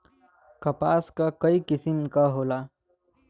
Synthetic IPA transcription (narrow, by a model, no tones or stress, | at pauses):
kɐpaːskakɐikɪsɪmkaɦoːlaː